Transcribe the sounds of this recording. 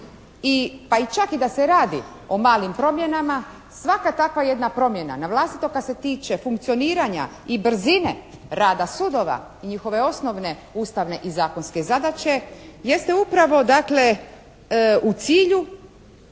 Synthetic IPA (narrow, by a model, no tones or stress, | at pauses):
ipait͡ʃakid̪aseɾaːd̪ḭ | omaːlimpɾo̞mje̞nama | sʋakat̪akʋaje̞d̪napɾo̞mje̞na̰naʋlˠaːst̪i̥t̪o̞kad̪se̞t̪iːt͡ʃe̞fuŋk̚t̪sio̞niːɾaɲa̰ | ibr̩zine̞ɾaːd̪asud̪o̞ʋa̰ | iɲixo̞ʋe̞o̞sno̞ʋne̞ | uːst̪aʋne̞ʔizaːko̞nske̞zad̪at͡ʃe̞je̞st̪e̞upɾaʋo̞d̪akle̞ | ut̪siːʎu